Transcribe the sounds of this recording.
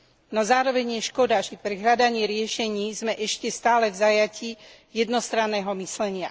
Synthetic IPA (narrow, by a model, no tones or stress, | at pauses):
nɔzaːɾɔʋɛɲɪjɛʃkɔd̪aʒɛpɾɛɦlʎad̪aɲɪɛɾɪɛʃɛɲiːzmɛʔɛʃcɛst̪aːlɛvzajaci | jɛd̪nɔst̪ɾanːɛɦɔmislɛɲɪa